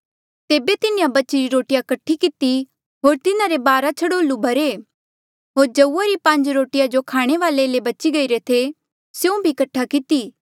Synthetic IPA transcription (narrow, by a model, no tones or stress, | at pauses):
t̪eːbet̪ɪnɪjãbɐt͡ʃiɾiɾoːʈɪjakɐʈʰːikɪt̪i | ɦoːɾt̪ɪnãɾebaːɾat͡ʃʰɐɽoːlubʱɐɾe | ɦoːɾd͡ʒɐuːaɾipɐ̃ɲd͡ʒɾoːʈɪjad͡ʒokʰaːɽ̃eʋaːlelebɐt͡ʃiɡɐiɾet̪ʰe | sjũbʱikɐʈʰːakɪt̪iː